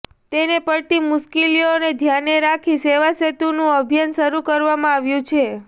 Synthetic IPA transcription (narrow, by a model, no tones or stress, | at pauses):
t̪enepəɭʈimʊʃkilioned̪ʱjaneɾakʰiseʋaset̪unũəbʱjanʃəɾukəɾʋamãaʋjũt͡ʃʰe